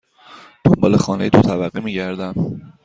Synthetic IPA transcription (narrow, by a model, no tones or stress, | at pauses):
d̪̥ombɒ̰ːlexɒːnejet̪ʰot̪ʰæbæɢimiːɟæɾd̪æm